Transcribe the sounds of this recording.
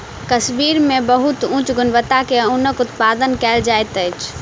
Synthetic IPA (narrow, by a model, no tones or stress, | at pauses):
k̪əsmiːɾmẽbəɦʊt̪ũːt͡ʃɡʊnʋət̪akeũnəkʊt̪paːd̪ənkɛːld͡ʒaːet̪əɪt͡ʃ